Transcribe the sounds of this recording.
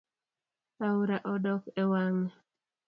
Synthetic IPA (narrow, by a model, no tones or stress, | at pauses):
auɾaʔɔdɔkɛwaŋ